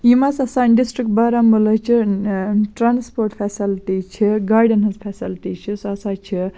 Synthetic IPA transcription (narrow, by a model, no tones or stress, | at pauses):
imasɐsaːnɖisʈɾik̚ʈ̚baːɾambəlɐt͡ʃʰi | ʈɾaːnspoːɾʈpʰɛːsilʈit͡ʃʰiɡaːɾɖɐnɦɐzpʰɛsilʈit͡ʃʰisɐsaːt͡ʃʰi